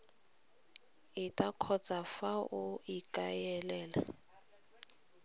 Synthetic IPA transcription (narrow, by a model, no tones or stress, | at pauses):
ɪtʼakʰɔt͡sʼafaʊikʼajɛlɛːla̰